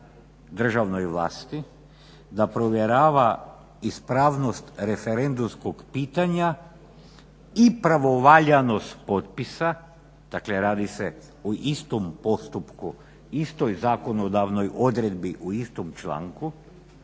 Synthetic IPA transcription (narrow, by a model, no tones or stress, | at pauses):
d̪r̩ʒaʋno̞jʋlˠa̰ːst̪i | d̪apɾoʋjeɾaːʋa | ispɾaːʋno̞st̪ɾe̞fe̞ɾe̞nd̪umskoɡpiːt̪aɲa | ipɾaʋo̞ʋaʎano̞st̪po̞t̪̚pisa | d̪̥akleɾaːd̪ise̞ | uʔist̪ompo̞st̪upku | ist̪ojzaːko̞no̞d̪aʋno̞jo̞d̪ɾe̞d̪biʔuist̪omt͡ʃla̰ŋku